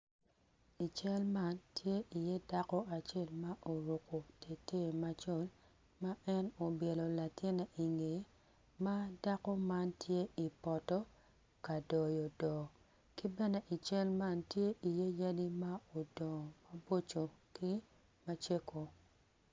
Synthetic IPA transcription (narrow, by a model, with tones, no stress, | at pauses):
i˨t͡ʃɛ˦lma˦ntʰje˦ʔi˨je˦da˦kɔ˦a˨t͡ʃe˦˨lma˦ʔo˨ɾo˨ko˨te˨te˦˨ma˦t͡ʃo˦˨l | ma˦ɛ˦no˨bje˨lo˨la˨tɪ˦na˨ʔi˨ŋe˨˦ | ma˦da˦kɔ˦ma˦ntʰje˦i˨pɔ˨tɔ˦ | ka˨dɔ˨jo˨dɔ˨ | ki˦bɛ˦ne˦ʔi˨t͡ʃɛ˦lma˦ntje˦ʔi˨je˦ja˦di˦ma˦o˨dɔ˨ma˦bo˦t͡ʃo˨ki˦ | ma˦t͡ʃe˦ko˨